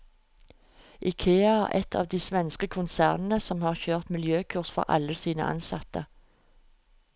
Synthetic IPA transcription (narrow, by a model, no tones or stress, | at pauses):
ʔiːkʰeːɑæʔɛt̪ʰɑ̰ːʋd̪iːsʋɛnskəkʰʊnsæːʁnn̩əsɔmhɑːʁçøːʁt̪mɪljøːkʰʉʁsfɔ̰ʁʔɑ̰ləsiːnə̰ʔɑ̰nsɑt̪ə